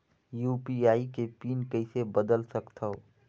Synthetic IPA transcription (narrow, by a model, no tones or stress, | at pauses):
juːpiaːikepiːnkəɪsebəd̪əlsəkt̪ʰao